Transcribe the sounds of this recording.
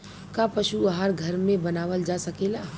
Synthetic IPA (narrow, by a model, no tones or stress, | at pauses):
kapɐʃuaɦaɾɡʱɐɾmẽbɐnaːʋəld͡ʒasɐkeːla